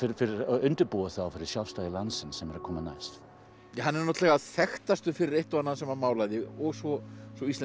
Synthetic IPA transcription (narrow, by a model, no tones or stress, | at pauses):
ɪɾfɪɾɪɾʏnt̪ʏɾpuːwaθawfɪɾɪɾ̥sjawfst̪aːjðɪlansɪnsɛmɛɾakʰɔːmana̰jst̪ | ahanːɛɾnɔht̪lɛɣaθɛxt̪ast̪ʏfɪɾɪɾejht̪ɔanːaðsɛmamaːwlajðɪɔɣsɔsɔist̪lɛ